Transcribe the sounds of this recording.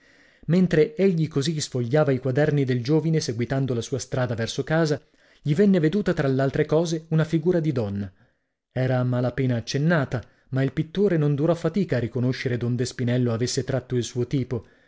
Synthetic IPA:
ment̪ɾeeʎːikozisfoʎːaːvaikwad̪ɛrnid̪eld͡ʒoːvineseɡwit̪and̪olasuːast̪ɾaːd̪avɛrsokaːza | ʎivɛnːeved̪uːt̪at̪ɾalːealt̪ɾekɔːzeunafiɡuːɾad̪id̪ɔnːa | ɛːɾamalapeːnaːt͡ʃːenːaːt̪a | mailpit̪ːoːɾenond̪uɾɔfːat̪iːkaːrːikonoʃːeɾed̪ond̪espinɛlːoavesːet̪ɾat̪ːoilsuːot̪iːpo

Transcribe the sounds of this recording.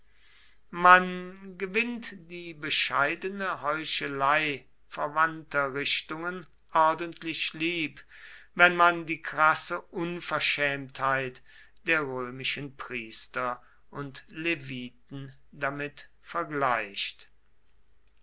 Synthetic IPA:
manɡəvɪntd̥iːbəʃaɪdənəhɔʏʃəlaɪ | fɛɐvantɐʁɪʃtʊŋən | ʔɔɐdəntʰlɪʃliːpvɛnmandiːkʁasəʔʊnfɛɐʃɛːmthaɪt | d̥eːɐʁøːmɪʃənpʁiːstɐ | ʔʊntleviːt̚n̩ | damɪt | fɛɐɡlaɪʃt

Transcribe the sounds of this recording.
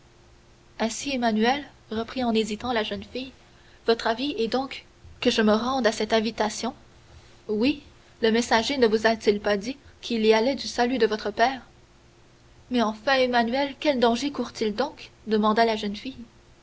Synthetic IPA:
ɛ̃siemanyɛl | ʁəpχiɑ̃nezit̪ɑ̃laʒənfij | vɔt̪χaviɛd̪ɔ̃k | kːəʒəməʁɑ̃d̪asɛt̪ɛ̃vit̪asjɔ̃ | wi | ləmɛsaʒenəvuzat̪ilpad̪ikʲʰilialɛd̪ysalyd̪əvɔt̪χəpɛːʁ | mɛɑ̃fɛ̃emanyɛlkʲɛld̪ɑ̃ʒekuʁt̪ild̪ɔ̃kd̪əmɑ̃d̪alaʒənfij

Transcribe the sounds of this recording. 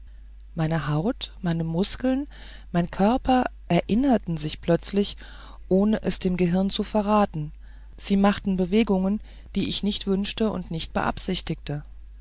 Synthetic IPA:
maɪnəhaʊtmaɪnəmʊskl̩n | maɪnkʰœɐpɐʔɛɐʔɪnɐtn̩zɪçpl̥œt͡slɪç | ʔoːnəʔɛsd̥eːmɡəɦɪʁɐnt͡sufɛɐʁaːtn̩ | z̥iːmaχtn̩bəveːɡʊŋən | d̥iːɪçnɪçtv̥ʏnʃtəʊ̰ntnɪçt̚b̥ə̰ʔa̰pz̥ɪçtɪk̚tə

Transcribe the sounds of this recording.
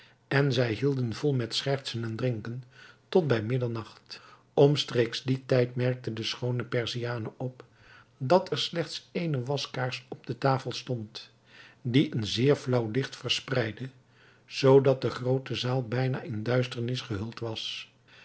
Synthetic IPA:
ɛnzɛjɦilˠdənvɔlˠmɛtsχɛɹtsənɛndrɪŋkəntɔt̚bɛjmɪdəɹnɑχt | ɔmstrejkzditɛjtmɛɹk̚tədəsχownəpɛɹzijaːnəʔɔp | dɑtʰɛɹslɛχtsejnəʋɑskaːɹsɔb̚dətaːfəlˠstɔnt | diʔənzɪːɹvlʌwlɪχtfəɹsprɛjdə | z̥owdɑt̚dəχrowtəzaːlˠbɛjna̰ːʔɪndœɥstəɹnɪsχəɦɵlˠtʋɑs

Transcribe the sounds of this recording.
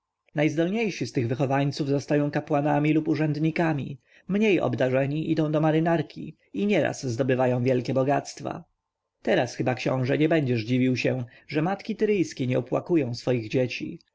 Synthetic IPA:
najzd̪ɔlɲejʂist̪ɘɣvɘxɔvaɲt̪suvzɔst̪ajɔ̃w̃kapwanamʲilupuʐɛnd̪ɲikamʲḭ | mɲejɔ̰bd̪aʐɛɲiʔid̪ɔ̃w̃d̪ɔmaɾɘnaɾkʲʰḭ | iɲɛɾa̰sːd̪ɔbɘvajɔ̃w̃vjɛlkʲɛbɔɡat̪st̪fa̰ | t̪ɛɾasxɘbakɕɔ̰̃w̃ʐɛɲɛbɛɲd͡ʑɛʐd͡ʑivʲiwɕɛ | ʐɛmat̪kʲit̪ɘɾɘjskʲeɲɛɔpwa̰kujɔ̃w̃sfɔjiɣd͡ʑet͡ɕḭ

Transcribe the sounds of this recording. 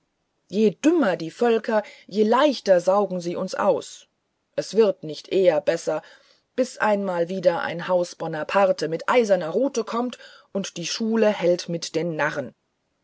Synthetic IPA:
jeːdʏmɐdiːfœlkʰɐjeːlaɪçtɐzaʊɡŋ̩ziːʊnsʔa̰ʊs | ʔɛsv̥ɪʁtnɪçtʔeːɐbɛsɐ | b̥ɪsʔa̰ɪnmaːlviːdɐʔa̰ɪnhaʊsb̥ɔnɐpʰaʁtəmɪtʔaɪzɐnɐʁuːtəkʰɔmt | ʔʊntd̥iːʃuːləhɛltmɪtd̥eːnːaʁən

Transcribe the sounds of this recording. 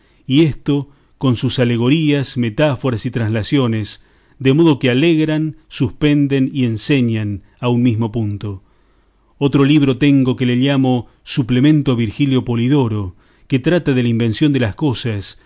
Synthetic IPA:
iest̪o̞ | ko̞nsusale̞ɣo̞ɾiasmet̪afo̞ɾasit̪ɾãnslasjo̞nes | d̪emo̞ðo̞kealeɣɾansuspe̞nd̪enie̞nse̞ɲan | aunmizmo̞punt̪o̞ | ot̪ɾo̞liβ̞ɾo̞t̪e̞ŋɡo̞keleʎamo̞ | suplemẽ̞nt̪oaβiɾxiljo̞po̞liðo̞ɾo̞ | ket̪ɾat̪aðelaimbe̞nsjo̞nd̪elasko̞sas

